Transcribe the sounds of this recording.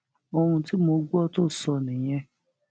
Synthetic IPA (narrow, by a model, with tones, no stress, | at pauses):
o˧ɾũ˧ti˦mo˧˦ɡu˦ɔ˦to˦˨sɔ˧nĩ˨j̃ɛ̃˦